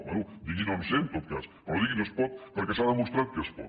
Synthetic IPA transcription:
aud̪iɣinõnsent̪ot̪̚ka̰s | oðiɣinespɔt̪̚poɾkesaðemũst̪ɾat̪̚kespɔ̰t

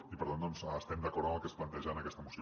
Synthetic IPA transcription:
ipəɾt̪and̪ɔnszːst̪ɛmd̪əkɔɾðəməlˠkesplənt̪eɛʒanəkɛst̪əmus

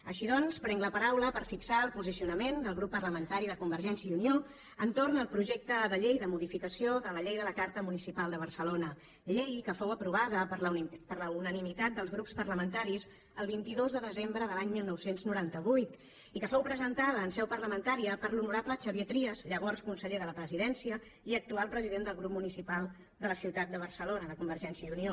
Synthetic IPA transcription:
əʃiðɔnspɾɛŋɡləpəɾawləpəɾfiksaəlˠpuzisiunəmend̪əlˠɣɾupːərləmənt̪aɾiðəkumbəɾʒɛnsiəiunio | ənt̪ornəlˠpɾuʒɛk̚t̪əðəʎejðəmuðifikəsioðələʎejðələkaɾt̪əmunisipalˠd̪əβ̞ərsəlonə | ʎejkəfowəpɾuβ̞aðəppərləunənimit̪at̪̚d̪əlˠzɣɾupspəɾləmənt̪aɾiz | əlˠβint̪iðozðəðəzembɾəðəlaɲmilˠnɔwsenznuɾant̪əβujt̪ | ikəfowpɾəzənt̪aðəːnsɛwpərləmənt̪aɾiəpəɾlunuɾaplət͡ʃəβiet̪ɾiəzʎəβɔrskunsəʎeðələpɾəziðɛnsiə | iək̚t̪ualˠpɾəziðend̪əlˠɣɾup̚munisipalˠ | d̪ələsiwt̪at̪̚d̪əβ̞ərsəlonəðəkumbəɾʒɛnsiəjunio

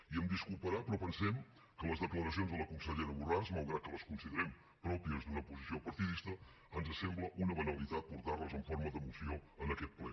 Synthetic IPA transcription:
iəmd̪iskulˠpəɾapɾɔpənsɛm | kələzðəkləɾəs̬ionzðələkunsəʎeɾəβurazmalˠɣɾat̪̚kələskunsiðəɾɛm | pɾɔpiəzd̪unəpuzisiopəɾt̪iðist̪ə | ənzəsɛmbləʔunəβənəlit̪at̪̚puɾt̪arəzəɱforməðəmusioənəkɛt̪̚plɛ

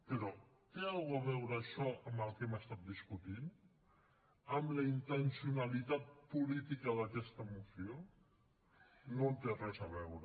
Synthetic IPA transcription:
pəɾɔ | t̪ealɣuəβɛwɾəːʃɔʔəmbəlˠkɛməst̪at̪̚d̪iskut̪in | əmləint̪ənsiunəlit̪at̪̚pulit̪ikəðəkɛst̪əmusio | nont̪erɛzəβɛwɾə

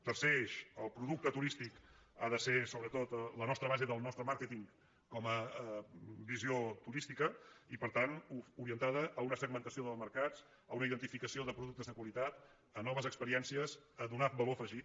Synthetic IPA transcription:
t̪ərseʃəlˠpɾuðuk̚t̪ət̪uɾist̪ikaðəsesoβɾət̪ot̪lənɔst̪ɾəβazeðəlˠnɔst̪ɾəmaɾket̪iŋ | kɔmə | biziot̪uɾist̪ikəipəɾt̪anuɾiənt̪aðəʔːunəsəɡ̚mənt̪əsioðəlˠməɾkat͡s | əunəiðənt̪ifikəsioðəpɾuðuk̚t̪əzðəkwəlit̪at̪ | ənɔβəzəkspəɾiɛnsiəzədunat̪̚bəlofəʒi

